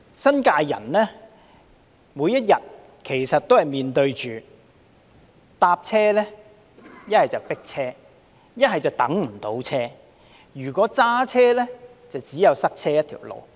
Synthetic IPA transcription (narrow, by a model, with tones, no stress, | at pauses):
sɐ˥nkaː˧jjɐ̰˨˩nlɛː˥ | muː˨˧jɐ˥t̚jɐ˨˩t̚ | kʰe˨˩jsɐ˨t̚t̪ːo˥whɐ˨jmiː˨nt̪ɵ˧ɥt͡ʃyː˨ | t̪aː˧p̚t͡sʰɛː˥lɛː˥ | jɐ˥t̚hɐ˨jt͡sɐ˨˩wpɪ˥k̚t͡sʰɛː˥ | jɐ˥t̚hɐ˨jt͡sɐ˨wt̪ɐ˨˥ŋm̩˨˩t̪o˨˥wt͡sʰɛː˥ | jyː˨˩kʷɔː˨˥t͡saː˥t͡sʰɛː˥lɛː˥ | t͡sɐ˨wt͡siː˨˥jɐ˨˧wsɐ˥k̚t͡sʰɛː˥jɐ˥t̪ʰḭ˨˩wlo̰˨˧w